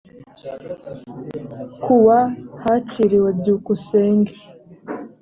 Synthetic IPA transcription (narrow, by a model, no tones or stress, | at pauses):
kuwahaciɾiwabɟuːkuseːŋɡe